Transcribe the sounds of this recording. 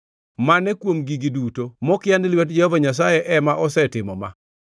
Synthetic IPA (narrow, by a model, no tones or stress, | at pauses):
manɛkwomɡiɡidutomɔkɪjanɪlwɛtd͡ʒɛhɔvaɲas̬ajɛʔɛmaʔɔsɛtɪmɔma̰